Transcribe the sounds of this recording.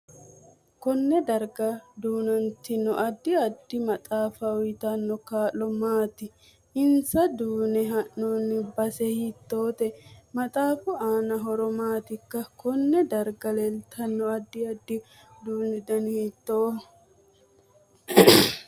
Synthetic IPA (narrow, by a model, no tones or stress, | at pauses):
kɔnːɛd̪ɐɾɡɐd̪uːnɐnt̪ɪnɔʔɐd̪ːɪɐd̪ːɪmɐt̪ʼaːfɐɔjt̪ɐnːɔkaːlːɔmaːt̪ɪ | ɪnsɐd̪uːnɛɦɐnːuːnːɪbɐsɛhit̪ːoːt̪ɛmɐt̪ʼaːfʊaːnɐɦɔɾɔmaːt̪ɪkːɐkɔnːɛd̪ɐɾɡɐlɛlt̪ʰɐnːɔɐd̪ːɪɐd̪ːɪ | d̪uːnɛd̪ɐnhiːt̪ːoː